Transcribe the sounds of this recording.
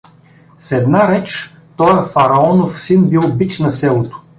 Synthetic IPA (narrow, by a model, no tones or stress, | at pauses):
sɛd̪naɾɛt͡ʃ | t̪ɔjəfɐɾɐɔnofsinbilˠbit͡ʃnɐsɛlˠot̪ʊ̥